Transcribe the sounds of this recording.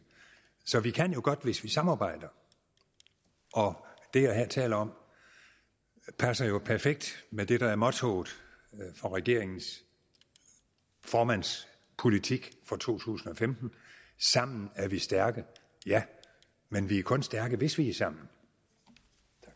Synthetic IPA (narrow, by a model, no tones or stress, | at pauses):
sɒ̽ʋikʰæn̰jo̝ɡ̥ɒ̽d̥ʋe̝sʋisɑ̈mɑ̈ːb̥ɑ̈ɪ̰d̥ɐ | ʔɒ̽d̥e̝jæɦeɐt͡sʰɛ̰ːlɐɒ̽m | pʰæsɐjo̝pʰæɐfeɡ̥̚d̥med̥e̝ɾ̥ɑ̈æɐmɒ̽t͡sʰo̰ːð̩ˠ | fɒ̽ʁɛɡ̥e̝ɐ̰eŋn̩s | fɒːmæn̰s | pʰo̝lit͡sʰiɡ̥fɒ̽t͡sʰo̝̰ːt͡sʰṵːsn̩ɒ̽femd̥n̩sɑ̈m̰n̩æɐʋisd̥æɐɡ̥ə | jæ | menʋiæɐkʰɔ̽nsd̥æɐɡ̥əʋe̝sʋiæsɑ̈m̰n̩